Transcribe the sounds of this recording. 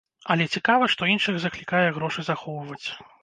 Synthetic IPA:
ɐlʲɛt͡sʲikavɐʂt̪ɔinʂɨɣzɐklʲikajɛɣɾɔʂɨzaxɔwvɐt͡sʲ

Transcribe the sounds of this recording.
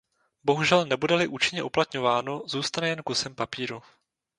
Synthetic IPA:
bo̞ɦuʒɛlnɛbudɛlɪʔuːt͡ʃɪɲɛʔuplat̪ɲo̞vaːno̞zuːst̪anɛjɛnkusɛmpapiːɾu

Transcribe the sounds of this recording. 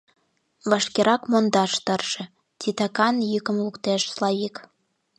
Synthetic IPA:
βɑʃkeɾʔɑkmond̪ɑʃt̪ərʒ̥ĕ | t̪ʲit̪ɑkɑnjykə̆mlukt̪eʃslɑjik

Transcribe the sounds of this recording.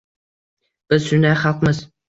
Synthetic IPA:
b̥ɨzsʊnajχalˠqmɨz

